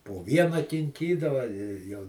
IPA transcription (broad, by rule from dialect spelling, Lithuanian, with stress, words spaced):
poː ˈʋʲiɛnɐ kʲɪŋʲˈkʲiːdɐʋɐ jɛʊ